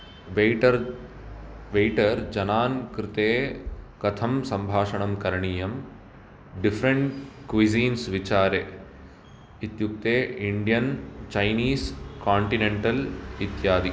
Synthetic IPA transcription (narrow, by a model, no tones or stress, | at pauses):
ʋeʈɐɾ | ʋejʈɐɾd͡ʒɐnaːnkɾɪt̪eːkɐt̪ʰɐmsɐmbʱaːʂɐɳɐmkɐɾɐɳiːjɐm | ɖifʰɾɐɳʈkʋiziːnsʋit͡ʃaːɾeː | it̪juk̚t̪eːiɳɖijɐnt͡ʃɐjniːskaːɳʈineɳʈɐlit̪jaːd̪i